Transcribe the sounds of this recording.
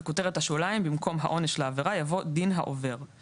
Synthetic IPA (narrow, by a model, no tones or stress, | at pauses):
koteʁet̪haʃulaimbimko̞mɦa̰ʔo̞neʃlaːveʁajavo̞dinɦa̰ʔo̞ve̞ʁ